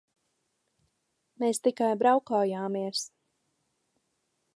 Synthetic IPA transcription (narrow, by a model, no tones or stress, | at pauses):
meːst̪ikajbɾawkaːjaːmiɛs